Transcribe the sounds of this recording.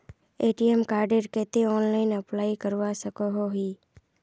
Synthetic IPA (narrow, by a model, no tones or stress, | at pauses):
eːʈiɛmkaːɾɖeɾkɛːt̪eɔːnlaːɪnɐplaːikəɾʋasəkoɦoɦiː